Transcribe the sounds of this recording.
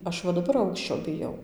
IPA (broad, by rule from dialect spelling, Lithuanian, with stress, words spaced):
ˈɐʃ ʋɐ dɐˈbɐr ˈɐʊkʃʲt͡ʃʲoː bʲɪˈjɛʊ